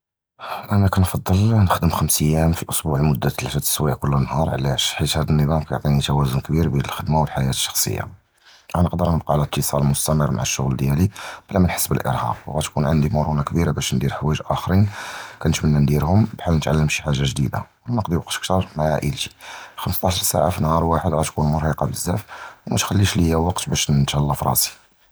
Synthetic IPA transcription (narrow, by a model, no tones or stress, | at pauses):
ʔænækænfɑd̪ˤːəlnəxd̪əmxəmsəjːæmfiʔʊsˤbuʕmʊd̪ːat̪lʃæt̪ə̥swiʕkʊlːnːhɑɾˤʕ̰læʃħit̪hæd̪ənːəbæmkæjʊʕt̪ˤinit̪æwæzʊnkbiɾbjænəlxəd̪mawəlħajæt̪ə̥ʃːɑ̥xsˤə̰jːa̰ | ʔænəqd̪əɾnəb̚qɑʕalət̪ʰːəsˤɑllmʊst̪æmərːmʔa̰ʕaʃːʊ̰ɣld̪jælib̥əlːæmənħə̥sːbəlʔə̰ɾhɑ̰qwɣæt̪kunʕənd̪imʊɾunakbiɾabæʃnd̪iɾħwæʒʔæxɾinkænət̪mənːænd̪iɾhʊmbħalnət̪ʕalːəmʃiħaʒːaʒd̪ḭd̪a̰wænəqd̪iwɑqt̪ə̥k̚t̪ɑɾˤmaʕaʔḭlt̪i̥xəməst̪ˤɑʃɑɾˤsa̰ʕafinhɑɾˤwaħəd̪ɣæt̪kunmʊɾhiqɑbəzːæfwmæt̪xælːiʃləjːæwɑqt̪bæʃt̪hælːɑfɾˤɑ̰si̥